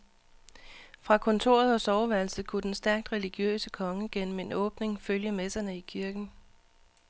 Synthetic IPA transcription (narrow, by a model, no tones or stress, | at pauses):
fʁɑ̈kʰɒ̽nt͡sʰo̝̰ɐ̰ð̞̩ˠɒ̽sɒʊʋæɐlsð̩ˠkʰud̥ensd̥æɐɡ̥̚d̥ʁɛliɡ̥jø̰ːsəkʰɒ̽ŋəɡ̥en̰m̩e̝nɔ̽ːb̥ne̝ŋføljəmesɐnəikʰiɐɡ̥n̩